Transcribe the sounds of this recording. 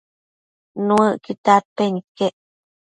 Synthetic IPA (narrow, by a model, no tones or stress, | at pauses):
nũəʔkit̪at̪̚penikːeʔ